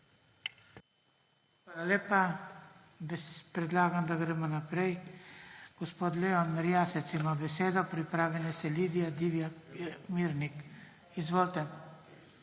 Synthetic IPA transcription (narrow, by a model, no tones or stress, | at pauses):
xʋaːlaleːpa | bpɾɛd̪laːɡamd̪aɡɾɛːmɔnapɾɛj | ɡ̥ospoːt̪leɔnmɛɾjasɛt̪simabɛseːd̪ɔpɾipɾaːʋlɛnɛsɛlid̪ijad̪iʋijamiɾnik | izʋoːlt̪ɛ